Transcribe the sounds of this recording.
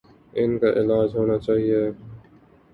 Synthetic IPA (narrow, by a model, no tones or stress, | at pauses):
ɪnkaʔɪlaːd͡ʒɦoːnat͡ʃaːɦie